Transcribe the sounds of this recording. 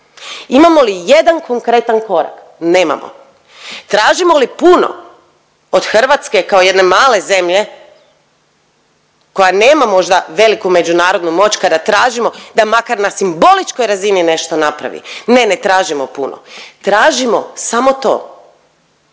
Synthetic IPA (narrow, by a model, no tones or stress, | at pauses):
imamo̞lije̞d̪ankʰo̞ŋkɾe̞t̪anko̞ɾa̰k | ne̞ːma̰mo̰ | t̪ɾaːʒimo̞lipuno̰ | od̪̥xr̩ʋat̪ske̞kaoje̞d̪ne̞maːle̞ze̞mʎe̞ | ko̞janeːmamo̞ʒd̪aʋe̞likume̞d͡ʑunaːɾod̪numo̞ːt͡ɕkad̪at̪ɾaːʒimo̞d̪amakaɾnasimbo̞lit͡ʃko̞jɾazinine̞ʃt̪o̞napɾa̰ʋḭne̞ne̞t̪ɾaːʒimopuno̰t̪ɾaːʒimo̞samo̞t̪o̰ː